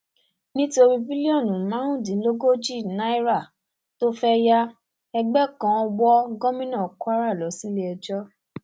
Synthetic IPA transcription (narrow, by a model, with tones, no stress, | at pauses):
nĩ˦to˧ɾi˧bi˦li˦ɔ˦˨nũ˨˦mã˨˦ɾ̃ũ˦˨dĩ˨˦lo˦ɡo˦d͡ʒi˦˨nã˦i˦ɾa˦˨ | to˦fɛ˦ja˦ | ɛ˧ɡ͡bɛ˦kã˧˦ɔ˧wɔ˦ɡɔ˦mĩ˦nã˦˨kwa˦ɾa˦˨lɔ˨˦si˦le˦ɛ˧d͡ʒɔ˦